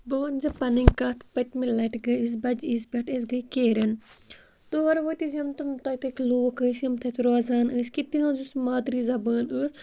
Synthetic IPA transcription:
boːnzɐpɐniŋɡkɐt̪ʰpɐt̪ʲmilɐʈɡɐjis̬bɐd͡ʒisbʲɐʈes̬ɡɐjkeːɾɐn | t̪oɐɾʋoːt̪izɐmt̪ɐmt̪ɐt̪ɨkloːkəːsɐmt̪ʰɐt̪ɾaːzaːnəːsʲkit̪iɦãːnzusmaːd̪ɾizɐbaːnəːs

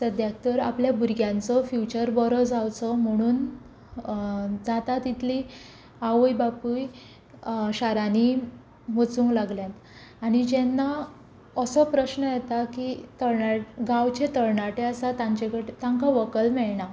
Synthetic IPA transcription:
səd̪jak̚t̪əɾa̰pljabuɾɡjãnt͡sɔfjut͡ɕəɾbɔɾɔd͡zawt͡sɔm̤əɽ̃uːn | d͡zat̪at̪it̪ʰli | aʋəjbapuj | ɕaɾani | mət͡sũŋklaɡljãt̪ | aɽ̃id͡ʑenːa | əsɔpɾəɕnəjɛt̪akit̪əɾɳaɡawt͡ɕet̪əɾɳaʈeəsat̪ãɲt͡ɕekəʈt̪ãŋkaʋəkəlmɛɭɳa

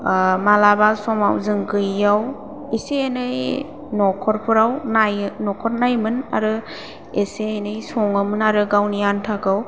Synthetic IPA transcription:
malabalsɔma̰wzɯŋɡɯjːaw | eseːnɯj | nɔkʰɔɾpʰɯɾawnajnɔkʰɔɾnajmɯna̰ɾɯ | eseːnɯjsɔŋɯmɯnaɾɯɡawnijantʰakaw

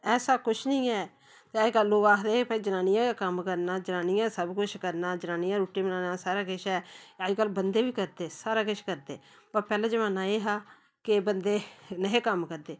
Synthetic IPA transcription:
ɛːsaːkʊt͡ʃʰnəĩːɛː | t̪ed͡ʒkəlːoːɡaːkʰd̪eːpaːiːd͡ʒənaːnɪijãːkakəmkəɾnaːd͡ʒənaːniːãːsəbkʊt͡ʃʰkəɾnaːd͡ʒənaːnijãːɾuːʈːiːmənaːnaːsaːɾaːkɪʃɛːəd͡ʒkəlːbənd̪eːʋiːkəɾd̪eːsaːɾaːkɪʃkəɾd̪eː | pəɾpɛːlẽːd͡ʒəʋãːnaːeːɦaː | keːbənd̪eːnəɦeːkəmkəɾd̪eː

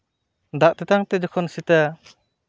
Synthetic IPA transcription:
d̪aʔt̪ɛt̪aŋt̪ɛd͡ʒɔkʰɔnsit̪a

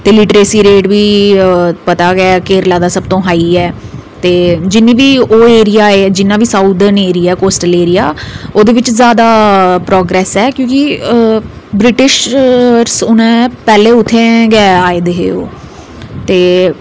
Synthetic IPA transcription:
t̪eːlɪʈəɾeːsiːɾeːʈʋiː | pət̪aːɡɛːkeːɾlaːd̪aːsəb̚t̪õːɦaːiːɛː | t̪eːd͡ʒɪnːĩːʋiːoːeːɾɪjaːeːd͡ʒɪnːãːʋiːsauːd̪əɾneːɾiːɛːkoːsʈəleːɾijaːoːd̪eːʋɪt͡ʃzjaːd̪aːpɾɔːɡɾɛːsɛːkjõːkɪ | bɾɪʈɪʃɾsʊnẽːpɛːleːʊt̪ʰːẽːɡɛːaːeːd̪eːɦḛːo̰ː | t̪eː

